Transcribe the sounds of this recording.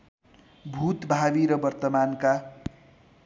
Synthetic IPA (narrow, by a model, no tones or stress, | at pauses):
bʱut̪bʱabiɾʌbʌrt̪ʌmanka